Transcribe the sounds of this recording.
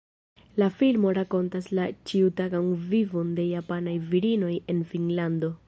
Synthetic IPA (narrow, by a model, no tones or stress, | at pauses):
lafilmo̞ɾako̞ntaslat͡ʃiutaɡanvivo̞nde̞japanajviɾino̞je̞nfinlando̞